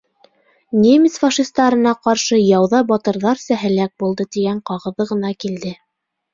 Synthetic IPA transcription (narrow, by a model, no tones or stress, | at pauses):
nʲemʲisfɑʃist̪ɑɾɤ̆nɑqɑɾʃɤjɑwðɑbɑt̪ɤ̆ɾðɑɾsæɦɘlæk̚bulˠd̪ɤt̪iɡæɴqɑʁɤ̆ðɤʁɤ̆nɑkild̪ɘ